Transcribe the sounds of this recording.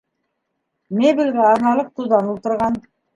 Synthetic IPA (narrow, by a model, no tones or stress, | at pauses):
mebilʲɡæɑɾnɑlˠɤq̚t̪uðɑnulˠt̪ɤ̆ɾʁɑn